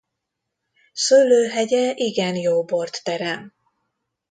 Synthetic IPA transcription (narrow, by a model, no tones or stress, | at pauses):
sølːøːɦɛɟɛʔiɡɛnjoːbort̪ːɛɾɛm